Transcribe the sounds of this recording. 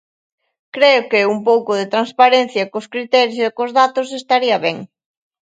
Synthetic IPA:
kɾeʊkɪumpowkʊðet̪ɾanspaɾen̟θjɐkoskɾit̪ɛɾjosekʊzðat̪ʊsest̪aɾiɐβɛŋ

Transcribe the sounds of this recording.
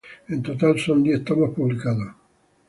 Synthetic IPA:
int̪ot̪alsond̪iet̪ːamapːublikaːða

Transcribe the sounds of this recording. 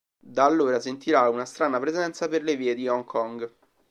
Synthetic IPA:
d̪aːlːoːɾasent̪iɾaunast̪ɾaːnapɾezɛnt̪saperleviːed̪iɔŋkʰɔŋɡ

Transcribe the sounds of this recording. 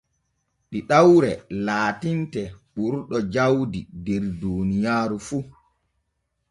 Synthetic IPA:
ɗiɗawɾɛlaːtintɛɓuɾɗɔd͡ʒawdidɛɾdunijaːɾufu

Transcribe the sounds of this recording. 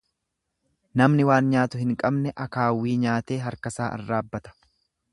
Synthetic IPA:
nɐmnɪwaːnɲaːt̪ʊhɪŋkʼɐbnɛʔɐkaːwːiːɲaːt̪e̞ːɦɐɾkɐsaːʔɐ̰rːaːbːɐt̪ɐ̥

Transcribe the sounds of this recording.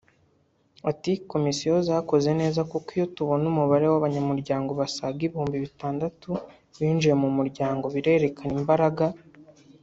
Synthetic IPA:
atiko̞misijozaːko̞ze̞ne̞ːzakukijo̞tuβo̞numuβaɾewaβaɲamuɾɟaːŋɡo̞βasaɡiβihuːmbiβitaːndatu | βiːnd͡ʒije̞mumuɾɟaːŋɡo̞βiɾe̞ːɾe̞kʰanimbaɾaɡa

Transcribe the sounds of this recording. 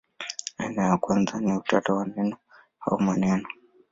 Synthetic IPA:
ainajakwanzaniutatawanɛnɔ | ha̰umanɛnɔ

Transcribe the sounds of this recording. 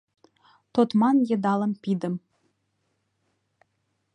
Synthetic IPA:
t̪ot̪mɑnjɤ̆d̪ɑlə̆mpid̪ə̆m

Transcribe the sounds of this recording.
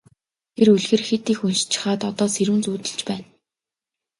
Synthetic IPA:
t̪ʰeɾuɮɣɘ̆rxet̪iːxunʃt͡ɕɪ̥̆χaːt̪ɔt̪ɔːseɾuːnt͡suːt̪ɘ̆ɮt͡ɕpæːn

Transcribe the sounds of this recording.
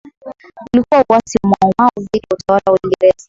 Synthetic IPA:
ulikuwauwasimaauvikautawalawawiŋɡɛɾɛzi

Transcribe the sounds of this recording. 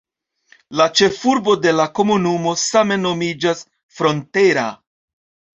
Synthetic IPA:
lat͡ʃe̞fuɾbo̞de̞lako̞munumo̞same̞no̞mid͡ʒas | fɾo̞nte̞ɾa̰

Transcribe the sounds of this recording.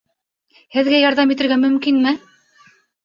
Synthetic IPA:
hɘ̆ðɡæjɑɾðɑmit̪ɘ̆ɾɡæmɵ̆mkinmɘ

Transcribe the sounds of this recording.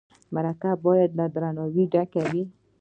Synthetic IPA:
maɾakabɔjad̪lad̪ɾanɔwiɖakawi

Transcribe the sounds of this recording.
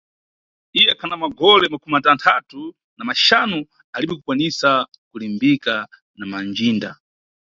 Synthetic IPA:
ijɛkʰanamaɡɔlɛmakumatantʰatu | namaʃanu | aliɓɛkukwanisa | kulimbika | namand͡ʒiːnda

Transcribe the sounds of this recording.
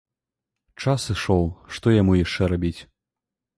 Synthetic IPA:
t͡ʂasɨʂɔwʂt̪ɔjamujaʂt͡ʂɛɾabʲit͡sʲ

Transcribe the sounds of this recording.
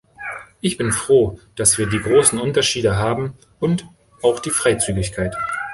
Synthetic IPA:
ʔɪçb̥ɪnfʁ̥oːd̥asv̥iːɐdiːɡʁoːsn̩ʔʊntɐʃiːdəɦaːbm̩ | ʔʊnt | ʔaʊxd̥iːfʁ̥aɪt͡syːɡɪçkʰaɪt

